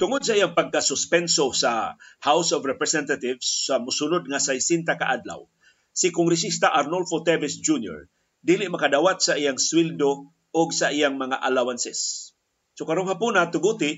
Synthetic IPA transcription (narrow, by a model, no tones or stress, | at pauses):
t̪ʊŋʊd̪̚s̬aʔijaŋpaɡ̚kasʊspɛnsosahawsɔvɾɛpɾɛsɛnt̪at̪ɪvsːamʊsunʊd̪̚ŋasajsint̪akaʔad̪la̰w | sikʊŋɡɾɛs̬ist̪aʔaɾnolfot̪ɛvɪsd͡ʒunjo̰ɹ | d̪iːlɪʔmakad̪awat̪̚saʔijaŋswild̪o | ʊɡsaʔijaŋmɐŋaʔalawansɛsː | okaɾoŋhapunat̪ʊɡut̪ɪ